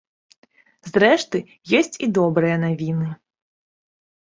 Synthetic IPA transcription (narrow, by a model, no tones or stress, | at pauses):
zɾɛʂt̪ɨ | jɔsʲt͡sʲid̪ɔbɾɨjɐnavʲinɨ